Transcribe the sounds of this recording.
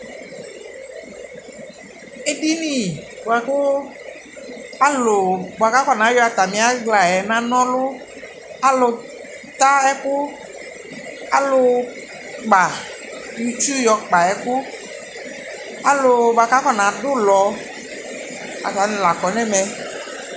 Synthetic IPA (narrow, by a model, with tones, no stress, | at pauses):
e˦ɖi˦nĩ˨o˨ɛ˨kʊ˦ | a˦lo˨bo˨a˨ka˦kɔ˦nã˨˦jɔ˦a˨t̪a˨mĩ˨a˦ɡla˨ɛ˨nã˦nɔ̃˦lo˦ | a˦lo˨ | t̪a˦ɛ˦kʊ˦ | a˨lo˨ | k͡pa˨ | mĩ˦t͡ʃu˦jɔ˨k͡pa˨ɛ˨kʊ˦ | a˨lo˨ba˨ka˦fɔ˦nã˨ɖʊ˦lɔ˨ | a̰˨t̪a˨˦nĩ˨la˨kɔ˨nɛ̃˦mɛ˨